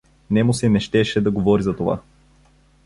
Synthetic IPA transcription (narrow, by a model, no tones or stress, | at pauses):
nɛmʊsɛnɛʃt̪ɛʃɛd̪ɐɡovɔɾizɐt̪ova̰